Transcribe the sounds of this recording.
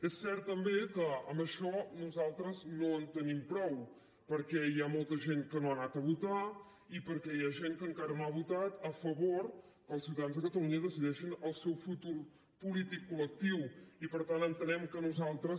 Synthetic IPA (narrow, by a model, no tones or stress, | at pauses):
ɛsːɛɾt̪̚ːəmbekəəmbəʃɔnuzalˠt̪ɾəznoənt̪ənimpɾɔw | pəɾkɛjamolˠt̪əʒeŋkənoanat̪əβut̪a | ipəɾkɛjaʒeŋkəŋkaɾənoaβut̪at̪əfəβoɾ | kəlˠsiuwt̪əðanzðəkət̪əluɲəðəsiðɛʃinəlˠsɛwfut̪uɾ | pulit̪ikːulək̚t̪iwipəɾt̪anənt̪ənɛmkənuzalˠt̪ɾəs